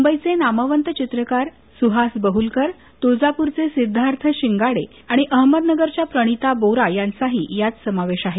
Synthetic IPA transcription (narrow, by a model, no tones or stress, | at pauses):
umbəjt͡senamaʋənt̪ət͡ɕit̪ɾəkaɾ | suɦasbəɦulkəɾ | t̪od͡zapuɾt͡sesid̪ʱːaɾt̪ʰəɕiŋɡaɽe | aɽ̃iʔəɦməd̪nəɡəɾt͡ɕjapɾəɽ̃it̪aboɾajant͡saɦḭːjat͡ssəmaʋeɕaɦe